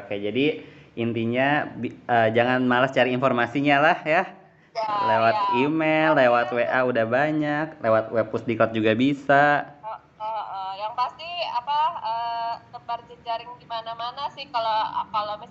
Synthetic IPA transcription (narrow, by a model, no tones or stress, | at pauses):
kajd͡ʒadiint̪iɲabiəːd͡ʒaŋanmalast͡ʃaɾiinfɔrmasiɲalahja | lewat̪̚imelːewat̪weʔaudahbaɲak̚lewat̪̚wɛpusdikɔt̪̚d͡ʒuɡabisa | əʔəjaŋpast̪ia̰paəɡəbard͡ʒəd͡ʒaɾɪŋdimanamanasɪhkaloa̰palabi